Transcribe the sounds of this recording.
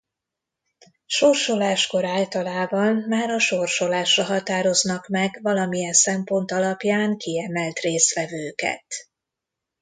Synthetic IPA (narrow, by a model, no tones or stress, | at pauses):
ʃorʃolaːʃko̞ɾaːlt̪ɒlaːbɒnmaːɾɒʃo̞rʃo̞laːʃrɒɦɒt̪aːɾo̞znɒkmɛɡvɒlɒmijɛnsɛmpo̞nt̪ɒlɒpjaːŋkiɛmɛlt̪reːst̪ʋɛvøːkɛ̰t̪